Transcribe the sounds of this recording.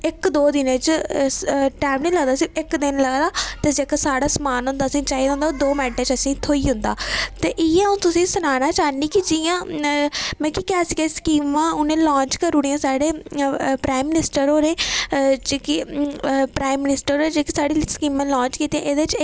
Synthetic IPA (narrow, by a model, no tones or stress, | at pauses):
ɪkd̪oːd̪ɪnẽːt͡ʃ | ʈaːmnẽːləɡd̪aːsiːɪkd̪ɪnləɡd̪aːt̪ed͡ʒeːkasaːɽaːsəmaːnɦʊ̃nd̪aːsĩːt͡ʃaːid̪ãːnd̪ad̪oːmɛ̃ːɳʈeːt͡ʃəsĩːt̪ʰoːiːɦʊ̃nd̪a̰ːt̪eːʔɪjãːʊ̃ːt̪ʊsĩːsʊnaːnaːt͡ʃaːniːkid͡ʒɪjãː | mɛ̃ːkikɛːsikeskiːmãːʊnẽːlãːɲt͡ʃkəɾuɽiãːsaːɽeːpɾaːimːɪnɪsʈəɾoːɾẽːd͡ʒki | pɾaːimːɪnɪsʈəɾoːẽːd͡ʒeːkisaːɽiːskiːmãːlɔ̃ːɲt͡ʃkiːt̪iãːʔeːd̪et͡ʃː